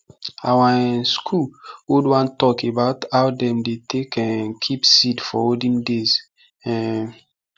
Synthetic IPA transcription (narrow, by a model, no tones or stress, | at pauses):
awaskʰulodwãntɔkebaʊthawdɛ̃mdetʰekɛ̃nkʰipsidfɔ̰odĩŋdez | ɛ̃